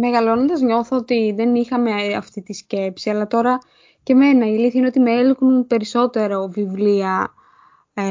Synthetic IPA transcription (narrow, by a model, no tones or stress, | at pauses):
me̞ɣɐlo̞nond̪ɐzɲo̞θoot̪iðe̞nixɐme̞ɐft̪it̪isce̞psiɐlɐt̪o̞ɾɐ | ce̞me̞nɐiliθineo̞t̪imeeliknunpe̞ɾiso̞t̪e̞ɾovivliɐ